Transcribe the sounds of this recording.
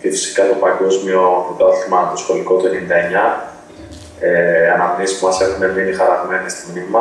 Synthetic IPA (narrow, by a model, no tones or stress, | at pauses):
cefi̥si̥kɐt̪o̞pɐɡo̞zmio̞put̪ɐθimɐt̪osxo̞liko̞t̪uenenind̪ɐe̞ɲɐ | eɐnɐmniespumɐse̞xune̞vninixɐɾɐtimenest̪imnimɐ